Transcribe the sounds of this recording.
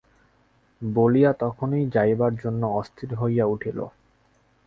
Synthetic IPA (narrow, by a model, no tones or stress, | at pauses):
bolijat̪ɔkʰonijd͡ʑajbaɾd͡ʑonːoɔst̪ʰiɾɦojauʈʰilo̰